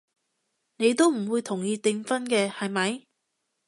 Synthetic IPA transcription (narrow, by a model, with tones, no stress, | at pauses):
ne˨˧jt̪o˥wm̩˨˩wuː˨˧jt̪ʰʊ˨˩ŋjiː˧t̪ɪ˧ŋfɐ˥nkɛː˧hɐ˨jmɐ˨˧j